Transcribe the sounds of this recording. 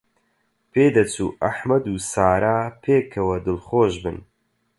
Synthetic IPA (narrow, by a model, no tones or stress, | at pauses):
pʰeːd̪ɐt͡sʰuːʔɐħmɐd̪uːsaːɾaːpʰeːkʰɐwɐd̪ɨlχoːʒbɨn